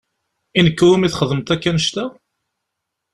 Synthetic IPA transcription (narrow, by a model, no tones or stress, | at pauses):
inəkːɾumiθχəðˤəmt̪ækːænəʃt̪æ